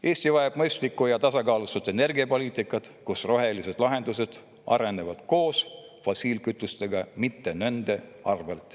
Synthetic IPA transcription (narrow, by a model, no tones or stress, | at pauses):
e̞ːst̪ivɑeb̥mɤjst̪likːujɑt̪ɑsɑkɑːlusut̪ːˑe̞ne̞rɡiɑpo̞liːt̪ˑikːˑɑt̪ | kusro̞ɦe̞lise̞d̪̥lɑɦe̞nd̪use̞d̪̥ | ɑ̰ɾe̞nːevɑd̪̥ko̞ːs | fosiːlkyt̪ːˑust̪e̞ɡ̥ɑmit̪ːe̞nønd̪̥e̞ɑrvelt̪ˑ